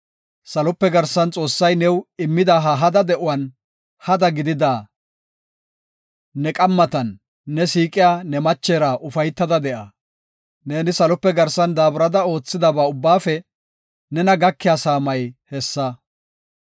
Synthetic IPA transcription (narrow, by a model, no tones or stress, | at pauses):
sɐlɔpːɛɡɐɾsɐnt͡sʼo̞ːsːɐjnɛwɪmːɪd̪aːɦɐɦɐd̪ɐd̪ɛʔʊwɐn | hɐd̪ɐɡɪd̪ɪd̪aː | nɛkʼɐmːɐt̪ɐnː | ɛsiːkʼɪjaːnɛmɐt͡ʃːeːɾaʔʊfɐjt̪ːɐd̪ɐd̪ɛʔɐ | ne̞ːnɪsɐlɔpːɛɡɐɾsɐnd̪aːbʊɾɐd̪ɐo̞ːt͡sːɪd̪ɐbaːʊbːaːfɛ | nɛnɐɡɐkːɪjaːsaːmɐjhɛsːɐ